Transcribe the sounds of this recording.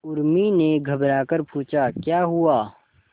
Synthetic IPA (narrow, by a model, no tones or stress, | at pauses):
ʊɾmineɡʱɐbɾaːkəɾpũːt͡ʃakjaːɦuaː